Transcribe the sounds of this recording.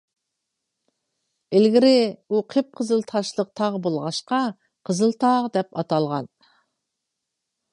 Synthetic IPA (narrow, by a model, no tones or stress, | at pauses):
ɪlɡʲɪɾɪuqʰep̚qʰəzɨlˠt̪ʰɑʃlˠəq̚t̪ʰɑʁəbolˠʁɑʃqɑ | qʰəzɨlˠt̪ʰɑʁd̪ɛpɑt̪ɑlˠʁɑ̰n